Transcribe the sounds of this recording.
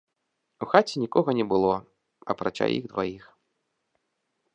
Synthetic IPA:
uxat͡sʲɛnʲikɔɣɐnʲɛbɨlˠɔ | ɐpɾat͡ʃa̰jʔḭɣd̪vajix

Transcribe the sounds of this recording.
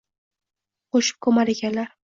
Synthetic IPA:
qoʃɪ̥p̚kʰɵmaɾeɡʲanlaɾ

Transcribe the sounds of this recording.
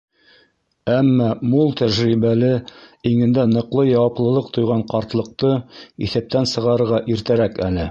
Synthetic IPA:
æmːɑmulˠt̪æʒɾiβælɘiŋɘ̆nd̪ænɤ̆qlˠɤjɑwɑplˠɤ̆lˠɤq̚t̪ŏjʁɑɴqɑɾt̪lˠɤ̆q̚t̪ɤḭθæp̚t̪ænsɤ̆ʁɑɾɤ̆ɾʁɑʔiɾt̪æɾækælɘ

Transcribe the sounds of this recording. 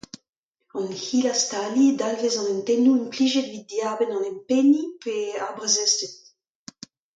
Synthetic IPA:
ɑ̃nhilast̪alid̪alvezɑ̃nɛntɛnuynpliʒet̪vid̪̚d̪jaːbɛnɑ̃nɛmpenipeaʁbʁezɛst̪et̪

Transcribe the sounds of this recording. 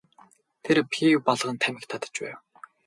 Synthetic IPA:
t̪ʰeɾpʰipɔɮʁə̆nt̪ʰæmʲɪ̆kt̪ʰat̪ə̥̆t͡ɕpæ̰ːw

